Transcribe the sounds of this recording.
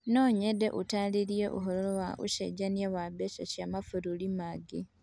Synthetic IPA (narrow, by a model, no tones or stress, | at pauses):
noːɲedeʔutaliɾjeʔṵɦololowaʔṵʃḛɟanjewabeʃaʃamafuɾulimaɡi